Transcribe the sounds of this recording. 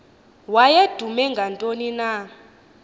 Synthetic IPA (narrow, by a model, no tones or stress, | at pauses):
wajed̥ʱumɛŋɡʱantʼonina